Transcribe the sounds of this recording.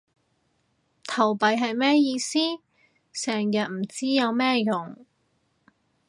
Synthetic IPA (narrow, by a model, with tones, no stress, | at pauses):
t̪ʰɐ˨˩wpɐ˨jɦɐ˨jmɛː˥jiː˧siː˥ | sɛː˨˩ŋjɐ˨t̚m̩˨˩t͡siː˥jɐ˨˧wmɛː˥jʊ˨˩ŋ